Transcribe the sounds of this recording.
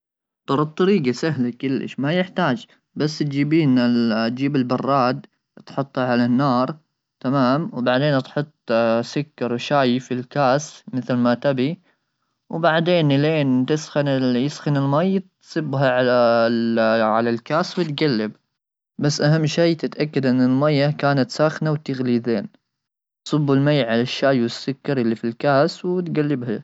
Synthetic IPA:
t̪ˤɑɾˤɑt̪ˤːɑɾiːɡasaɦlakɪlːɪ̰ʃmajɪħt̪aːd͡ʒ | basːt̪̚d͡ʒiːbiːnɪt̪̚d͡ʒiːbɪlbɑrˤːɑːd̪ | t̪ħʊt̪ˤːhaʕalanːɑːɾˤ | t̪amaːmwbaʕd̪eːnʔt̪ħʊt̪ˤːsʊkːɑɾˤwʃaːjɪfilkaːsmɪθlmat̪abi | wbaʕd̪eːnɪleːnt̪ɪsxɪnɪjɪsxɪnɪlmajːt̪sˤɨbːɦaʕa | ʕalalkaːswɪt̪ɡalːɪb | basːʔaɦamːʃeːt̪ɪt̪ʔakːad̪ʔɪnːɪlmajːakaːnat̪saːxnawt̪ɪɣliːðeːn | t̪sˤʊbːalmajːʕalaʃːaːjwɪsːʊkːɑɾˤʔɪlːifilkaːswt̪ɡalːɪbha

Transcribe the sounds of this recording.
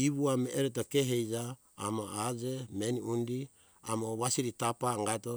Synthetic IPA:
iβuameʔeɾet̬okeɦejd͡ʒaː | maad͡ʒemeniundi | amoβasiɾitapaŋɡato

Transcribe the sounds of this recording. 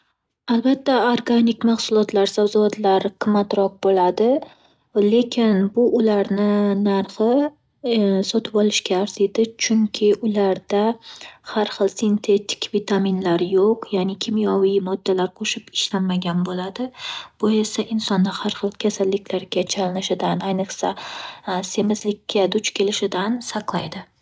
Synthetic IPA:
albat̪ːaoɾɡanɪkmaχsʊlˠɒt̪laɾsawzʊat̪laɾqʰɨmːat̪ɾɒq̚bolad̪ɪ | le̞kʲʰɪnbʊʔʊlaɾnɪnaɾχɨ | sɒt̪ʰɪpɒlˠɪʃkʲaːɾsed̪ɪt͡ʃʰʊŋkʲʰɪʔʊlaɾd̪̥ahaɾχɨlˠsɪnt̪ʰe̞t̪ʰɪ̥kʲvit̪ʰamɪnlaɾjoqjanɪkʲʰɪmjɒwijmɒd̪ːalaɾqʰoʃɪpɪ̥ʃlanːaɡʲanbolad̪ɪb̥oe̞saʔɪnsɒnːahaɾχɨlˠkʲʰasalːɪkʲlaɾɡʲat͡ʃʰalɪnɪʃɪd̪anajnɨχsa | se̞mɪzlɪkʲʰːad̪ʊt͡ʃkʲʰe̞lɪʃɪd̪ansɑqlˠajd̪ɪ

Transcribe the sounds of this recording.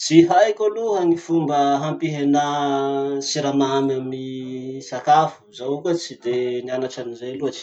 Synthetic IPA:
t͡siɦajkʲaluɦanifumbəɦampiɦena | siɾamamamisakafu̥zawukat͡sid̪enianaʈ͡ʂanizeluat͡ʃi̥

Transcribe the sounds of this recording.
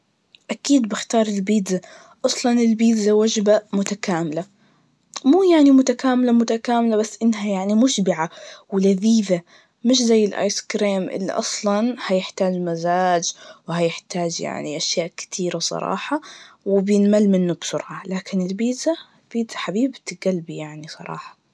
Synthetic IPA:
ʔakiːd̪bɪxt̪ɑːɾˤɪlbiːd̪za | ʔɑsˤlɑnɪlbiːd̪zawad͡ʒbamʊt̪akaːmɪla | muːjaʕnimʊt̪akaːmɪlamʊt̪akaːmɪlabasːʔɪnːɦajaʕnimʊʃbɪʕawɪlaðiːða | mɪʃzajːɪlʔa̰ːjskɾiːmʔɪ̰lːḭʔɑ̰sˤlɑnhajɪħt̪aːd͡ʒmazaːd͡ʒwhajɪħt̪aːd͡ʒja̰ʕnḭʔaʃjaːʔkɪ̥t̪ʰiːɾasˤɑ̰ɾˤɑ̰ːħɑ | wɪbjɪnmalmɪnːʊbsʊɾʕɑlaːkɪnɪlbiːza | lb̥iːz̥aħabiːbbt̪ɪɡalbijaʕnisˤɑ̰ɾˤɑ̰ːħɑ̥

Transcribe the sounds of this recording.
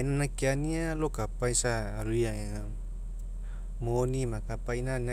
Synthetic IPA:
inanakianialokapaisaːɾuia | ŋa | monimakapainana

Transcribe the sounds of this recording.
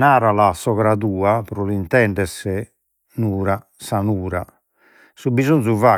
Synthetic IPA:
naːɾalasɔɣɾaðuːapɾɔlint̪ɛɳɖɛsɛ | nuːɾa | sanuːɾa̰ | subizonzuvaː

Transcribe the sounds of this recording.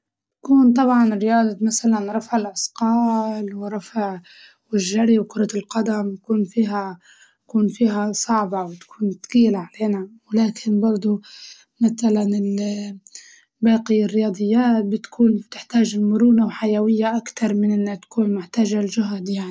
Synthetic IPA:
akuːnt̪ˤɑbʕɑnɾːɪjɑːd̪ˤɑmasalanɾˤɑfʕɪlʔɑsqɑːlwɪɾˤɑfʕ | wɪʒːaɾiwkʊɾˤɑɪlqɑd̪amj̪akuːnfiːɦa | kuːnfiːɦasˤɑʕbɑwɪt̪ḁkʰuːnt̪ɡiːlaʕaleːnawɪlaːkʰɪnbɑɾˤd̪ˤu | maθalanɪl | baːqiɪrːɪjɑːd̪ˤɨjːaːt̪̚bɪt̪kʰuːnt̪ɪħt̪aːʒɪlmʊɾuːnawħajawɪjːaʔakt̪ɑɾˤmɪnʔɪnːat̪ḁkuːnmʊħt̪aːʒalʒʊɦad̪jaʕni

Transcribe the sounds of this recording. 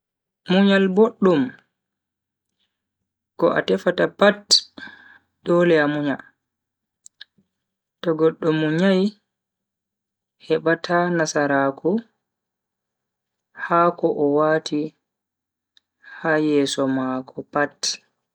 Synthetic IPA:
muɲalboɗːum | kɔʔa̰tɛfatapat | dɔlɛamuɲal | tɔɡɔɗːɔmːuɲaj | hɛɓatʰanasaɾaku | haːkɔʔɔwaːti | hajɛːsɔmaːkʰɔpat

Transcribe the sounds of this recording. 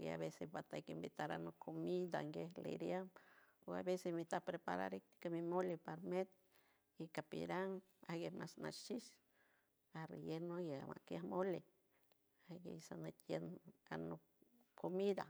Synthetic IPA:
ɡḛa̰βesebat̪akimbit̪aɾanokʰːomid̪a̰ŋɡehlḛɾjamoa̰βesesmit̪apɾepa̰ɾa̰ɾik̚t̪i̥kamimolipaɾmet̪̚ | ikapḭɾaŋ | aɡemasna̰ʃt͡ʃis | aɾḛjenoaɡea̰ma̰kjahmoli | aɡḛsanet̪jena̰no | kʰomid̪a̰

